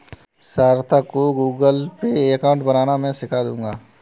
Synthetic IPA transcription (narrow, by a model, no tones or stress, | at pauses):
saːɾt̪ʰakoɡuːɡəlpekaːʊ̃ɳʈbənaːnamɛ̃sɪkʰad̪ũːŋɡaː